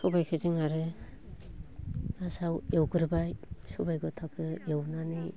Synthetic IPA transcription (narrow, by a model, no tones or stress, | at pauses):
sɔbajkʰɯzɯŋaɾɯ | nasawewɡɯɾbajsɔbajɡɔtʰakʰɯewnani